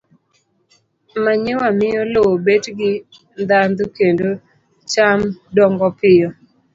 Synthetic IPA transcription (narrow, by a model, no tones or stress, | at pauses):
maɲɪwamɪjɔlobetɡɪ | nd̪and̪okendo | t͡ʃamdɔŋɡɔpɪjɔ